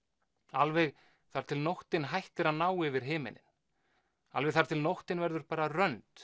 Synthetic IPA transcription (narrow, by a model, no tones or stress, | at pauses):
alvɛɣ | θaɾ̥t̪ʰɪlnɔwht̪ɪnɦajht̪ɪɾaðnaːwɪvɪɾ̥ɦɪːmɪ̰nɪ̰n | alvɛɣθaɾ̥t̪ʰɪlnɔwht̪ɪnvɛɾðʏɾpaːɾarœnt̪